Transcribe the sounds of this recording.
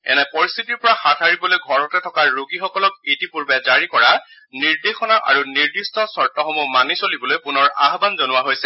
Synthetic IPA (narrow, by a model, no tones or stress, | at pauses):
ɛ̰nɛpɔɹist̪ʰitiɹpɔɹaxatʰaɹibɔlojɡʱɔɹɔtɛtʰɔkaɹoɡixɔkɔlɔk̚itipuɹbɛzaɹikɔɹa | niɹdexɔnaʔa̰ɹuniɹdistɔsɔɹtɔxɔmumanisolibɔlojpunɔɹa̰ɦbanzonʊwaɦojsɛ